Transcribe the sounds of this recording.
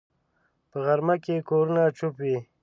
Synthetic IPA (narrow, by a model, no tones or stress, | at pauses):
pəɣaɾmakekoɾunat͡ʃupwi